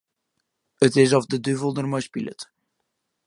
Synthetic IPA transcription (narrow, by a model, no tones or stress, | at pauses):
ətɪs̬ɔfdədyvəlˠdərmɔjspilə̰t